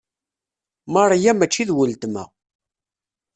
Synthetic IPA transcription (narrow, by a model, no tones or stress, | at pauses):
mɑɾˤjæmæt͡ʃːiðwəlt̪mæ̰